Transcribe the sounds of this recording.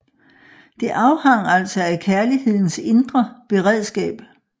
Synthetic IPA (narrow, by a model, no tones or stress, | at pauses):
d̥e̝ʔɑ̈ʊhɑ̈ŋ̰æl̰sɒ̽ækʰæɐlihe̝ð̞̰ˠn̩se̝nd̥ʁɐb̥e̝ʁɛð̞̰ˠsɡ̥ɛ̰ːb̥